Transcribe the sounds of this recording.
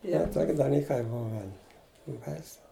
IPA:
ˈjɛ ˈtoːkʲ dɐˈlʲiːkɐɪ ˈbʊʋʲɛn bɐɪˈsʊ

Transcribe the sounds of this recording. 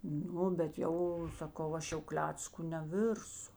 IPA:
ˈnʊ bʲɛt ˈjɛʊ sɐˈkɐʊ ˈɐʃ jɛʊ ˈklʲæːt͡skʊ nʲɛˈʋʲɪrsʊ

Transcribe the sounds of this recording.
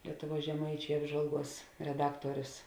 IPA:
ˈlʲiɛtʊˌʋuɔs ʒʲɛˈmɐɪt͡ʃʲɛɪ ˈɑːbʒʋɐlˠˌɡuɔs rʲɛˈdɑːktuɔrʲʊs

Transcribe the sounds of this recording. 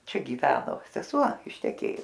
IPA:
ˈt͡ʃʲɛ ˈɡʲiːʋʲɛnoː sʲɛˈsuɔ ɪʃʲtʲɛˈkʲeːjʊs

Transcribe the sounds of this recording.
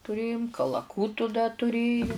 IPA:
tʊˈrʲeːjʊm kɐlˠɐˈkuːtʊ dɐ tʊˈrʲeːjʊ

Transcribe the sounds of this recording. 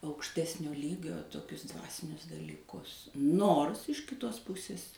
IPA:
ɐʊkʃʲˈtʲæːsʲnʲoː ˈlʲiːɡʲoː toːˈkʲʊs ˈdʋɑːsʲɪnʲʊs dɐlʲiːˈkʊs ˈnoːrs ɪʃ kʲɪˈtoːs ˈpʊsʲɪs

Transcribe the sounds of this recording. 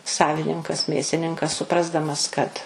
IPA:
ˈsɑːʋʲɪnʲɪŋkɐs ˈmʲeːsʲɪnʲɪŋkɐs sʊˈprɑːzdɐmɐs kɐt

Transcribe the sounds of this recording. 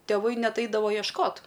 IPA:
tʲeːˈʋɐɪ ˈnʲɛt ˈɐɪdɐʋoː iɛʃˈkoːt

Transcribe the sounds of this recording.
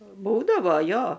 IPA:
ˈbuːdɐʋoː ˈjoː

